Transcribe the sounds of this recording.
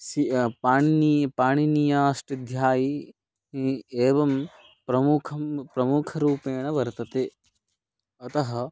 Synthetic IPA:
sipaːɳnipaːɳinijaːʂʈɐd̪ʱjaːji | eːʋɐm | pɾɐmukʰɐmpɾɐmukʰɐɾuːpeːɳɐʋɐɾt̪ɐt̪eː | ɐt̪ɐɦɐ̆

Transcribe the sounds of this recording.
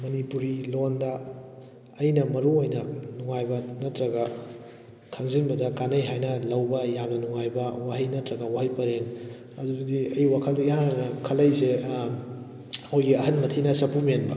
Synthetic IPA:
mɐnipuɾilondɐː | jnɐmɐɾuojnɐnuŋajbɐnɐtɾɐɡɐ | kʰɐŋzinbɐdɐkanɐjɦajnɐlɐwbɐjamnɐnuŋajbɐwaɦɐjnɐtɾɐɡɐwaɦɐjpɐɾeŋ | ɐduɡɐdiɐjwakʰɐliɦaɾɐnɐkʰɐlɐjse | owjɡiɐɦɐnmɐtʰinɐsɐpʰumienbɐ

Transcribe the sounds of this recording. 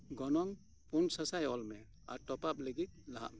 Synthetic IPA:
ɡɔnɔŋ | punsasajɔlmɛ | a̰ɾtɔpap̚ləɡit̪̚laɦa̰ʔmɛ

